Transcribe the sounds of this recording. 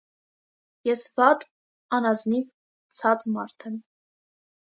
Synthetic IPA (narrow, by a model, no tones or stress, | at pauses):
jɛsvɑt̪ʼ | ɑnɑzniv | t͡sʰɑt͡smɑɾt̪ʰɛm